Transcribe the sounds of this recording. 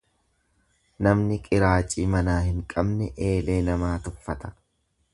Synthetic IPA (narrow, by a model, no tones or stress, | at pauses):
nɐmnɪkʼɪɾaːt͡ʃʼiːmɐnaːhɪŋkʼɐbnɛʔe̞ːle̞ːnɐmaːt̪ʊfɐt̪ɐ̥